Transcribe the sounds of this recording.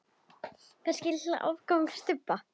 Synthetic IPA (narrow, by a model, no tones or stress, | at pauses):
θascɪla̰ʔa̰vkawŋst̪ʏpːa